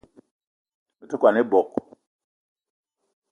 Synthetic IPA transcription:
me˨to˦kwa˨ne˦bɔ˨k̚

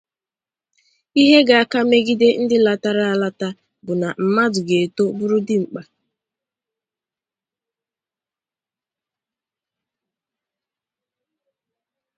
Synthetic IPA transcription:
i˦ɦe˦ɡa˨a˦˨ka˦me˦ɡi˦de˦n̩˦dɪ˦la˨ta˦ɾa˦a˨la˦ta˦ | bʊ˨na˨m̩˨ma˦dʊ˨ɡe˨e˨to˦bʊ˦ɾʊ˦dɪ˦ŋ͡m̩˨k͡pa˨

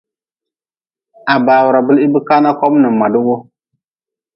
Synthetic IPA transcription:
a˨baː˨wu˨ɾa˨bɨ˦li˦bɨ˦ka˦na˦kɔ˦mnɨ˨ma˨dɨ˦wo˦

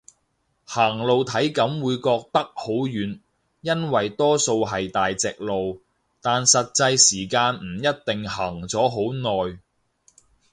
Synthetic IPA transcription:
haː˨˩ŋlo˨wt̪ʰɐ˨˥jkɐ˨˥mwuː˨˧jkɔː˧k̚t̪ɐ˥k̚ho˨˥wjyː˨˥n | jɐ˥nwɐ˨jt̪ɔː˥so˧wɦɐ˨jt̪aː˨jt͡sɪ˨k̚lo˨w | t̪aː˨nsɐ˨t̚t͡sɐ˧jsiː˨˩kaː˧nm̩˨˩jɐ˥t̚t̪ɪ˨ŋhɐ˨˩ŋt͡sɔː˨˥ɦo˨˥wnɔː˨j

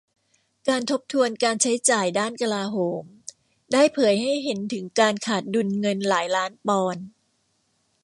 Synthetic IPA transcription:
kaː˧nt̪ʰo˦˥p̚t̪ʰu˧ənkaː˧nt͡ɕʰa˦˥jt͡ɕaː˨˩jdaː˥˩nka˧laː˧ɦoː˩˦m | daː˥˩jpʰɤː˩˦jha˥˩jɦe˩˦nt̪ʰɯ˩˦ŋkaː˧nkʰaː˨˩t̪̚du˧nŋɤ˧nlaː˩˦jlaː˦˥npɔː˧n

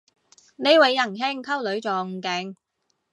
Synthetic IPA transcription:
ne˨˧jwɐ˨˧jːɐ˨˩ŋɦe˥ŋkʰɐ˥wlɵ˨˥ɥt͡sɔː˨ŋ̩˨˧kɛ˨˧˥ŋ

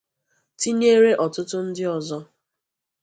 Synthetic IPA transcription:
ti˦ɲe˦ɾe˦ʔɔ˨tʊ˦tʊ˦n̩˦dɪ˦ɔ˨zɔ˦

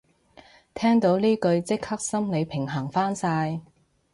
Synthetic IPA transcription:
t̪ʰɛː˥ŋt̪o˨˥wliː˥kɵ˧ɥt͡sɪ˥k̚hɐ˥k̚sɐ˥mle˨˧jpʰɪ˨˩ŋɦɐː˨˩ŋfaː˥nsaː˧j

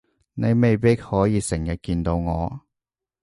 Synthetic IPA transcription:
ne˨˧jme˨jpi˥k̚hɔː˨˥jiː˧sɪ˨˩ŋjɐ˨t̚kiː˧nt̪o˧wŋɔː˨˧

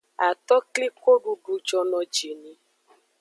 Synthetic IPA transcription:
a˨t̪ɔ˦kli˦ko˦ɖu˧ɖu˧d͡ʒɔ˧nɔ̃˧d͡ʒe˨nĩ˨˧

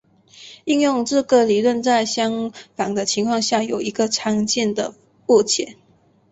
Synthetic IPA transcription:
i˥˧njʊ˥˧ŋʈ͡ʂ̩˥˩ɡə˨˩li˨˩lwə˥˧nt͡sa˥˩ɪɕjɑ˥ŋfɑ˨˩ŋd̪ə˦t͡ɕʰi˧˥ŋkʰwɑ˥˧ŋɕja˥˩jo˨˩ʊi˧˥ɡə˨ʈ͡ʂʰɑ˧˥ŋt͡ɕjɛ˥˩nd̪ə˩ | ɔ˥˩t͡ɕʰjɛ˨˦n

